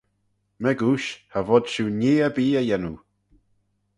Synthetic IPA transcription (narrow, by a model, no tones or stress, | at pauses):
mɛɡuːʃhavɔdʃuneːəbiːəjɛnu